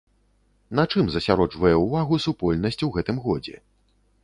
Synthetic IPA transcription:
nɐt͡ʂɨmzɐsʲaɾɔt͡ʂvɐjɛwvaɣusupɔlʲnɐsʲt͡sʲwɣɛt̪ɨmɣɔd͡zʲɛ̰

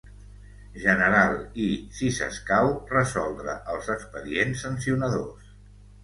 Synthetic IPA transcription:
ʒənəɾalˠisisə̰skawrəzɔlˠd̪ɾə̰ʔəlˠzəkspəðiensːənsiunəðos

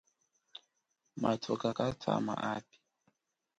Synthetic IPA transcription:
matʰɔkakat͡sʰa̰maʔapi̥

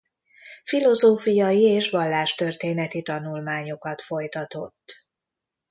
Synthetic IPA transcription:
filo̞zoːfijɒjieːʃʋɒlːaːʃt̪ørt̪eːnɛt̪it̪ɒnulmaːɲo̞kɒt̪fo̞jt̪ɒt̪o̞t̪ː

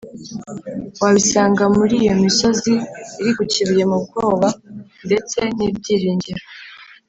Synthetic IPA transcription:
waβisaːŋɡamuɾijo̞miso̞ziːɾiɡuciβije̞mub̚ɡoːβande̞t͡se̞nibɟiːɾiːɲɟiɾo

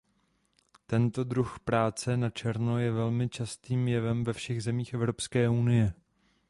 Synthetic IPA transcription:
t̪ɛnt̪o̞dɾuxpɾaːt͡sɛnat͡ʃɛɾno̞jɛvɛlmɪt͡ʃast̪iːmjɛvɛmvɛfʃɛɣzɛmiːxɛvɾo̞pskɛːʔunɪjɛ

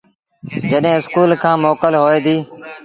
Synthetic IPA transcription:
d͡ʒəɗɦẽːɪskuːlkʰãːmoːkəlɦoːeːd̪iː

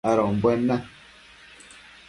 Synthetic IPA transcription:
aɾɔ̃mbwɛnːa

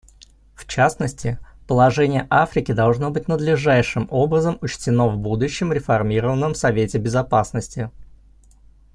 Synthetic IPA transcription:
ft͡ɕasnəsʲtʲɪpəlˠɐʐɛnʲɪjəʔafɾʲɪkʲɪd̪ɐlˠʐno̞bɨtʲnəd̪lʲɪʐajʂɨmo̞bɾəzəmʊt͡ɕtʲɪno̞vbud̪ʊɕːɪmɾʲɪfɐrmʲiɾəvənːəmsɐvʲetʲɪbʲɪzɐpasnəsʲtʲɪ

